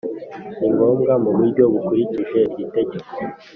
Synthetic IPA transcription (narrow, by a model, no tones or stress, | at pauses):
iŋɡo̞ːmɡamuβuɾɟo̞βukuɾiciʒe̞ɾɟite̞ɟeke